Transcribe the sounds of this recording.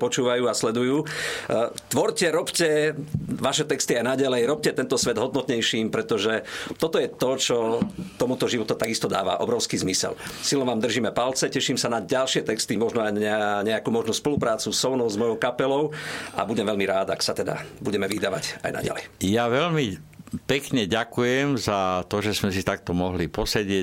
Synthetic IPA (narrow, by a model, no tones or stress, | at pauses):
pɔt͡ʃuːʋajuːaslɛd̪ujuː | t̪ʋɔɾcɛɾɔpcɛʋaʃɛt̪ɛkst̪iajnaɟalɛjɾɔp̚cɛt̪ɛnt̪ɔsʋɛd̪ɦɔd̪nɔt̪ɲɛjʃiːmpɾɛt̪ɔʒɛt̪ɔt̪ɔjɛt̪ɔt͡ʃɔt̪ɔmut̪ɔʒiʋɔt̪ut̪aɡist̪ɔd̪a̰ːʋa̰ʔɔ̰bɾɔʊskiːzmisɛ̰lsilnɔʋaːmd̪r̩ʒiːmɛpalt͡sɛcɛʃimsanaɟalʃɪɛt̪ɛkst̪imɔʒnɔajɲɛaɲɛakuːmɔʒnuspɔlupɾaːt͡susɔʊnɔʊzmɔjɔʊkapɛlɔʊʔa̰buɟɛmʋɛlmiɾaːd̪aksat̪ɛd̪a̰buɟɛmɛʋid̪aʋa̰ca̰jna̰ɟa̰lɛ̰jjaʋɛʎmipɛkɲɛɟakujɛmzat̪ɔʒɛzmɛsit̪ak̚t̪ɔmɔɦlipɔsɛɟɪɛ